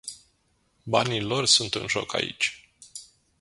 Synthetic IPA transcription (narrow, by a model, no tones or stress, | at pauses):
banilo̞rsunt̪ɨnʒo̞̰ka̰ḭt͡ʃʲ